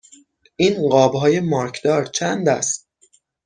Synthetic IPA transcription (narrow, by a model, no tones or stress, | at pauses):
ʔiːnɢɒːbɦɒːje̞mɒːɾkʰd̪ɒːɾt͡ʃʰænd̪æ̰st̪